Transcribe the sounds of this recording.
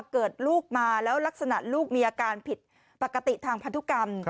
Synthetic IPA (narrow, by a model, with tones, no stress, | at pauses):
kɤː˨˩t̪̚luː˥˩k̚maː˧lɛː˦˥wla˦˥k̚sa˧na˨˩ʔluː˥˩k̚miː˧ʔaː˧kaː˧npʰi˨˩t̪̚ | pa˨˩kːa˧t̪i˨˩t̪ʰaː˧ŋpʰa˧˥t̪ʰu˦˥ka˧m